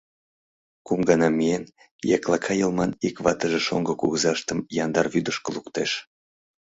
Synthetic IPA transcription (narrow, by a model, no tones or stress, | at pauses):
kumɡɑnɑmijen | jɑklˠɑkʰɑjəlˠmɑnikβɑt̪əʒeʃo̰ŋɡəkuɣəzɑʃt̪əmjɑnd̪ɑrβyd̪əʃkəlˠukt̪eʃ